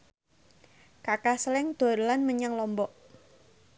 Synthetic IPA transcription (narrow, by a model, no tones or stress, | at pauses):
kakasəlɪŋd̪̥o̤ɾəlanməɲaŋlɔmbɔʔ